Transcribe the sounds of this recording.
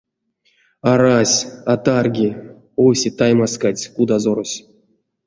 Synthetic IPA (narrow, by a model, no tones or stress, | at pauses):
aɾasʲat̪arɡʲi | owsʲet̪ajmaskat͡sʲkud̪azoɾosʲ